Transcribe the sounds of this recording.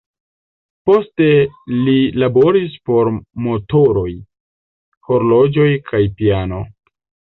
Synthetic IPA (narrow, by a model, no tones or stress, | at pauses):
po̞ste̞lilabo̞ɾispo̞ɾmo̞to̞ɾo̞j | ho̞ɾlo̞d͡ʒo̞jkʰajpiano̞